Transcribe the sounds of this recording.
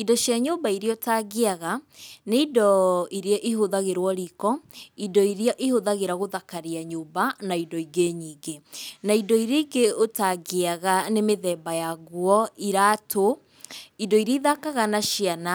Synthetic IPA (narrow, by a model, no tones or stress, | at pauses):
idɔɕjaɲoːbaiɾeɔtaɣeaɣaneidɔiɾeɔʔiɦoðaɣeɾwɔɾikɔidɔiɾeɔʔihoðaɣeɾaɣoðakaɾiaɲoːbanaidɔiɡeɲiːɡenaidɔiɾeiɡeotaɡeaɣanemeðɛːbajaɣwɔiɾaːtʰo | idɔiɾeiðakaɣanaʃiana